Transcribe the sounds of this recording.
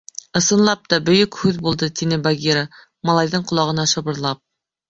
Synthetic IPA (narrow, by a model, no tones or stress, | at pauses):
ɤ̆sɤ̆nlˠɑp̚t̪ɑbɵ̆jɵkhʉðbulˠd̪ɤt̪inɘbaɡʲiɾə | mɑlˠɑjðɤɴqŏlˠɑʁɤ̆nɑʃɤ̆βɤ̆ɾlˠɑp̚